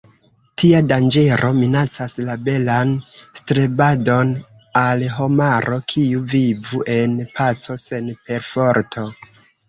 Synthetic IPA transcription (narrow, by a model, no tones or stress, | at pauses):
tʰiadand͡ʒeɾʔo̞minat͡saslabe̞lanstɾebado̞n | alɦo̞maɾʔo̞kʰiuvivuʔe̞npʰat͡so̞se̞npe̞ɾfo̞ɾtʰo̞